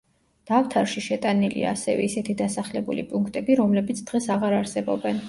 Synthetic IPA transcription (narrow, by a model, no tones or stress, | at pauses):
d̪̥aft̪ʰaɾʃiʃɛt̪ʼanilḭa̰ːsɛvɛ̰isɛt̪ʰid̪asaχlɛbṵlḭpʼuŋkʰt̪ʼɛbiɾɔmlɛbit̪sʰd̪̥ʁɛsaʁaɾaɾsɛbɔbɛn